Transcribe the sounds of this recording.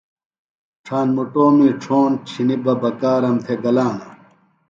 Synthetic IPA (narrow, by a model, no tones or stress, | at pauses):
ʈ͡ʂʰaːnmuʈoːmiːʈ͡ʂʰoːnt͡ɕʰinibɐbɐkaːɾɐmt̪ʰeɡɐlaːnɐ